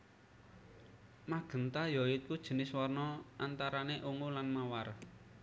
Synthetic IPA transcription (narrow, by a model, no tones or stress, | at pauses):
maɡ̥ə̤nt̪ajɔɪt̪̚kud̥ʒ̥ə̤nɪswɔrnɔant̪aɾaneʔuŋulanmawar